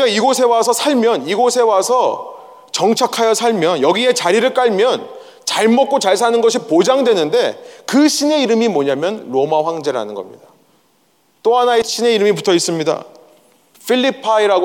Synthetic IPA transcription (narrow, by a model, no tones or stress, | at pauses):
kaiɡosʰe̞wasʰʌsʰaɭmjʌniɡosʰe̞wasʰʌ | t͡ɕʌŋt͡ɕʰakʰajʌsʰaɭmjʌnjʌɡie̞t͡ɕaɾiɾɯɭk͈aɭmjʌn | t͡ɕaɭmʌt̚k͈ot͡ɕaɭs̬ʰanɯnɡʌɕʰipod͡ʑaŋdwe̞nɯnde̞kɯɕʰine̞iɾɯmimwʌɲamjʌnɾomaɸwaŋd͡ʑe̞ɾɯɭɦa̰nɯnɡʌ̰mɲḭda | t͈oɦanaeɕʰine̞iɾɯmiputʰʌis͈ɯmɲida̰ | pʰiʎːipʰaiɾaɡo